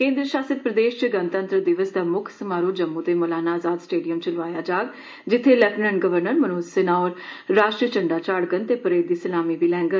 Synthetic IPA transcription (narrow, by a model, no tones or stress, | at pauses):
kẽːnd̪ɾəʃaːsət̪̚pɾəd̪eːʃt͡ʃəɡənt̪ənt̪ɾəd̪ɪʋəsd̪aːmʊkʰsəmaːɾud͡ʒəmːũːt̪eːmoːlaːnaːzaːd̪sʈeːɖijəmt͡ʃəlʋaːjaːd͡ʒaːɡ | d͡ʒɪt̪ʰːeːlɛʈnəɳʈ̚ɡəʋəɾnəɾmənoːssɪnaːɔːɾːaːʃʈɾiət͡ʃəɳɖaːt͡ʃaːɽɡənt̪eːpəɾeːd̪iːsəlaːmiːbiːlɛ̃ːŋɡə